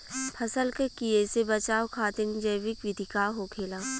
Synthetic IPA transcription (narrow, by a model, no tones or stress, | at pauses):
pʰɐsəlkekieːsebɐt͡ʃaːokʰaːt̪ɪnd͡ʒəjʋɪkʋɪd̪ʱikaːɦokʰeːlaː